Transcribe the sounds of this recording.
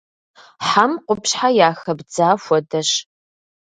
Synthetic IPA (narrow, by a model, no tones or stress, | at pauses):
ħamqʷʊpɕħajaːxɐbd͡zaːfʷɔdɐɕ